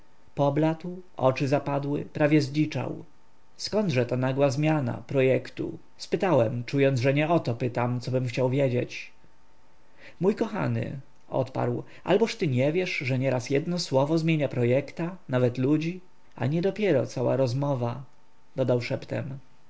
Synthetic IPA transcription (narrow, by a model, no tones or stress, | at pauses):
pɔblat̪wʔɔ̰t͡ʂɘzapad̪wɘ̰pɾavʲjɛzlit͡ʂa̰w | skɔnd̪ʐɛt̪ɔnaɡwazmʲjana̰pɾɔjɛkt̪ṵ | spɘt̪awɛmt͡ʂujɔnzʐɛɲɛɔt̪ɔpɘt̪amt̪sɔbɘmxt͡ɕawvʲjɛd͡ʑet͡ɕ | mujkɔxa̰nɘ̰ | ɔ̰t̪pa̰ɾw | ʔa̰lbɔʂt̪ɘɲɛvʲjɛʂʐɛɲɛɾasjɛd̪nɔswɔvɔzmʲjeɲapɾɔjɛkt̪anavɛt̪lud͡ʑi | a̰ɲɛd̪ɔpʲjɛɾɔ̰t̪sawa̰ɾɔzmɔva | d̪ɔd̪awʂɛpt̪ɛ̰m